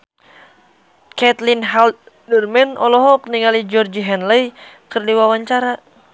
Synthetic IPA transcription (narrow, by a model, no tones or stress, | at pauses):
kɛt̪linɦalt̪̚ | dərmɛnɔlɔɦɔkniŋalid͡ʒɔrd͡ʒiɦɛnləj | kərdiwawaɲt͡ʃaɾa